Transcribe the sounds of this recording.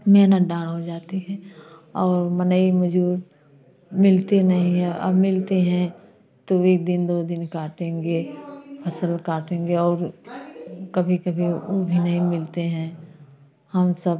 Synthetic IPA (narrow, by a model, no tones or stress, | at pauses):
mɛɦnət̪̚ɖãːɽɦod͡ʒaːt̪iɦɛ̃ːɔːɾmənəimɐd͡ʒuːɾ | mɪlt̪enɐɦĩɦɛ̃ʔɐ̰bmɪlt̪eɦɛ̃ | t̪oeːk̚d̪ɪnd̪oːd̪ɪnkaːʈẽːŋɡepʰɐsəlkaːʈẽːŋɡeɔːɾ | kɐbʱikɐbʱiʊbʱinəɦĩmɪlt̪eɦɛ̃ | hɐmsəb